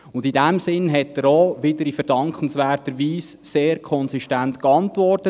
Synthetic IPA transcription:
ʊndidɛmsɪnɦɛtdəɾoːʋɪdəɾifəɾdɑŋkχənsʋɛːrtəɾʋiːsːeːɾkʰɔnsiʃtæntkɑntvɔrtə

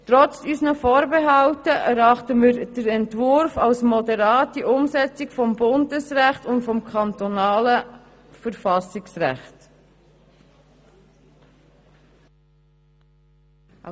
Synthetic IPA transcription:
tɾɔt͡sysnəfoːɾbeɦɑltəæɾɑχtəmiːɾd̥əɾɛntvʊɾfɑlsmɔdɛɾɑːtːiʔʊmsɛt͡sɪkfɔmbʊndəsɾæχtʊntfɔmkʰɑntɔnɑːlə | fəɾfɑsɪksræ̰χt

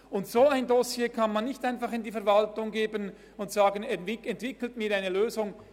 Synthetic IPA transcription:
ʊntsoaɪndosjeːkʰɑnmanːɪçtaɪnfɑχɪndiːfɛɐvaltʊŋɡeːbən | ʊntsaːɡənɛɛntv̥ɪkl̩tmiːɾaɪnəløːzʊŋ

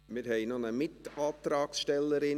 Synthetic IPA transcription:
mɪɾhɛɪnonəmɪt̪ɑːt̪ɾɑːksʃtɛlːəɾɪ

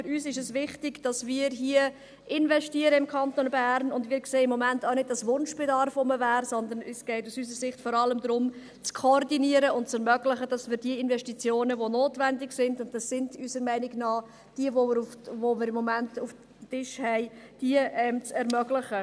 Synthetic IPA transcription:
fʏɾyːsɪʃəsʋɪχtɪɡd̥ɑsmiːɾɦiə | ʔɪnvɛʃtiəɾəɪmkʰɑntonbæːɾnʊndmiːɾkseːɪmːɔmæntaʊnɪd̚d̥ɑsʋʊnʃb̥ɛdɑɾfʊməvæːɾsɔnd̪ənysɡ̥ɛɪtusys̬əɾsɪχtfɔɾɑləmd̪ɾʊm | t͡skʰoɾdiniəɾəʊntt͡sɛɾmœɡlɪχəd̥ɑsmɪːɾdiəɪnvɛʃtit͡sjoːnəʋonoːtvɛndɪksɪndʊnt̚d̥ɑsːɪndysəɾmɛɪnɪɡnɑː | d̥iəvoufvomɪːɾɪmːɔmæntuf | tɪʃhɛɪd̥iəʔɛmt͡sɛɾmœɡlɪχə

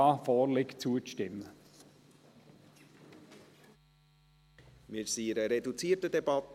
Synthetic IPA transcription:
ɑːfɔːrlɪkt͡suəʃtɪmːə | mɪɾsiɾəɾedut͡siːtədɛbɑt

